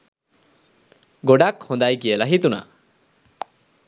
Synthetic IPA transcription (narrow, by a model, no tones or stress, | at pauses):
ɡoɽakhɔ̃nd̪ajkijəlaɦit̪una̰